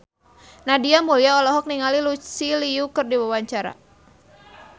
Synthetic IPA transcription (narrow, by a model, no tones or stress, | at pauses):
nadiamuliaɔlɔɦɔk̚niŋalilusiliukɨrdiwawaɲt͡ʃaɾa̰